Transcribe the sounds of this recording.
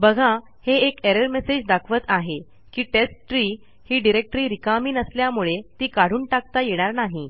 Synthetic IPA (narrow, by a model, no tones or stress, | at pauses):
bəɡʱa | heːkeɾəɾmesed͡ʑd̪akʰʋət̪aɦe | kiːʈesʈʈɾiː | hiːɖiɾek̚ʈɾiːɾikamiːnəsljamuɭet̪iːkaɽ̤uːɳʈakt̪ajeɽ̃aɾnaɦi